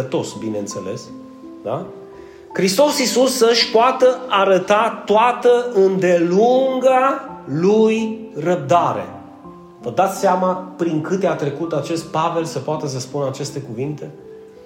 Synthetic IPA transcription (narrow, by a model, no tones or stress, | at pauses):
ət̪o̞sbineɨnt̪se̞̰le̞s | d̪a | kɾist̪o̞sisusːəʃʲpoat̪əaɾət̪at̪oat̪əʔɨnd̪e̞luŋɡalujrəb̚d̪aɾe̞̰ | vəd̪at̪sʲseamapɾiŋkɨt̪eat̪ɾe̞kut̪at͡ʃe̞st̪̚pave̞lsəpoat̪əs̬əspunəat͡ʃe̞st̪e̞kuvint̪e̞